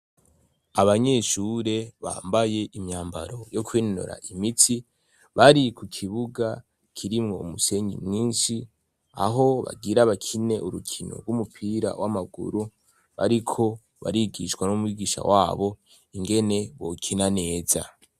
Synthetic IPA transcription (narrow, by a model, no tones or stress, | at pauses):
aβaɲe̞ʃuɾe̞βa̰ːmbaje̞ʔimɲaːmba̰ɾo̞jo̞kwiːnno̰ɾa̰ʔimitʰi | βaɾikukʰiβuɡa | kʰiɾimŋo̞umuse̞ɲɡḭmŋiːnʃi | a̰ɦo̞βa̰ɡiɾaβakʰine̞ʔuɾukʰino̰ɡumupʰiɾa̰wamaɡṵɾu | βaɾikʰo̞ | βa̰ɾiɡiʃwanumwiɡiʃa̰wʔaːβo̞ | iŋɡe̞ne̞βo̞̰kʰinane̞ːza̰